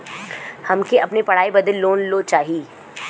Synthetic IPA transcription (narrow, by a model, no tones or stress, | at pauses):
hɐmkeʔɐpnepɐɽ̤aːibɐd̪əlːoːnlot͡ʃaːɦiiː